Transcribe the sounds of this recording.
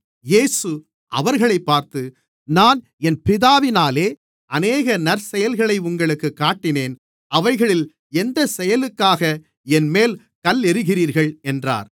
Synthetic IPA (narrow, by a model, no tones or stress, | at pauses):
jeːsɯ | ʔɐ̰ʋɐɾɣɐɭɐɪpːaːɾt̪ɯ | naːn | ɛnpɪðaːʋɪnaːleː | ʔɐneːɣɐnɐɾsɛjɐlɣɐɭɐɪʊŋɡɐɭɯkːɯkːaːʈːɪneːn | ʔɐʋɐɪɣɐɭɪl | ɛnd̪ɐsɛjɐlɯkːaːɣɐ | ɛnmeːl | kɐlɛɾɯɣɪriːɾɣɐɭɛndra̰ːɾ